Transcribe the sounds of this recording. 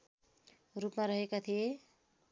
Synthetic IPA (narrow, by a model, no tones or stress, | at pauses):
rupmaɾʌɦekat̪ʰije